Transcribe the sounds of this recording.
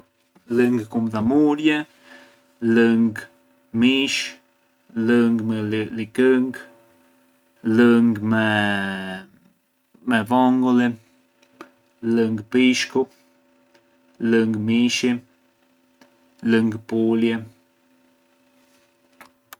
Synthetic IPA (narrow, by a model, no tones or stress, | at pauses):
ləŋɡkumd̪amuɾjə | ləŋɡ | miʃ | ləŋɡmlikəŋɡ | ləŋɡmɛ | mɛvɔŋɡole | ləŋɡpiʃko | ləŋɡmiʃi | ləŋɡpuljə